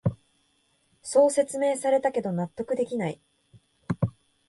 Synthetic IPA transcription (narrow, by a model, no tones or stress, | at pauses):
so̞ːse̞t͡sɨme̞ːsaɾe̞t̪ake̞d̪o̞nat̪ːo̞kɯ̟d̪e̞kʲinai